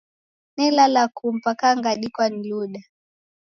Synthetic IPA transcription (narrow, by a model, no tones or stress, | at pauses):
nɛlalakum̩pakaŋɡaɗikwaniluɗa